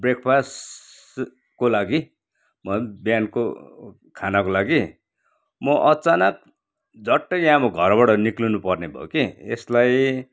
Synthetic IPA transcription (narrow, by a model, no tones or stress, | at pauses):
brekʰpʰas | kolaɡi | mʌbjanko | kʰanakolaɡi | mʌʔʌt͡sanʌk̚ | d͡zʌʈːʌjãmoɡʱʌrbaɽʌniklunupʌrnebʱʌ̰okiḛslaj